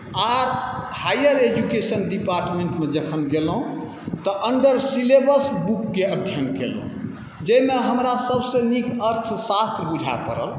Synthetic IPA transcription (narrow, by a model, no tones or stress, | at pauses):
aɾ | hajəɾed͡ʒukesənɖipaɾʈmẽɳʈmed͡ʒəkʰənɡelɦũ | t̪ɔʔəɳɖəɾsilebəsbukːeət̪ʰjəŋɡkḛlɦṵ̃ | d͡ʒemeɦəmɾasəbsẽnikəɾt̪ʰsast̪ɾəbud͡ʒʱa̰pə̰ɾə̰l